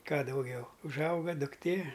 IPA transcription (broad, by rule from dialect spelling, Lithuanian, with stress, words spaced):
ˈkɑː dɐʊˈɡʲɛʊ ʊʒˈɐʊɡɐ dʊkˈtʲeː